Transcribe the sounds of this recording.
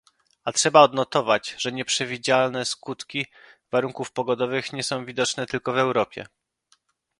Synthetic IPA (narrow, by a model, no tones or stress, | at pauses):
atʂɛbaɔd̪nɔt̪ɔvad͡ʑʐɛɲɛpʂɛvʲid͡ʑalnɛskut̪kʲi | vaɾuŋkufpɔɡɔd̪ɔvɘxɲɛsɔ̃w̃vʲid̪ɔt͡ʂnɛt̪ɘlkɔvɛwɾɔpʲjɛ̰